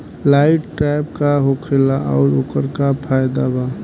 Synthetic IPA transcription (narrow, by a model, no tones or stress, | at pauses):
laɪʈʈɾajb̚kaɦokʰelaʔɔ̰ʊɾokəɾkapʰaːjd̪aba